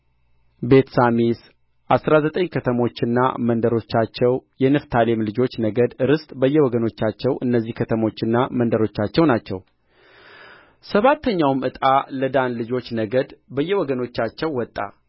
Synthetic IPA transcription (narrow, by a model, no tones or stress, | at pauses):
be̞t̪samis | ʔasɾazət̪ʼəɲkʰət̪ʰəmo̞t͡ʃːɪnːa̰mənd̪əɾo̞t͡ʃːat͡ʃːɛwjɛnɨft̪ʰalemlɨd͡ʒo̞t͡ʃːnəɡəd̪ɨɾɨst̪ʼbəjːɛwɔɡəno̞t͡ʃːat͡ʃːɛwʔɨnːəzːihkʰət̪ʰəmo̞t͡ʃːɪnːamənd̪əɾo̞t͡ʃːat͡ʃːɛwnat͡ʃːɛw | səβat̪ʰːəɲːawmɨt̪ʼaləd̪anlɨd͡ʒo̞t͡ʃːnəɡəd̪bəjːɛwɔɡəno̞t͡ʃːat͡ʃːɛwːɔt̪ʼːa̰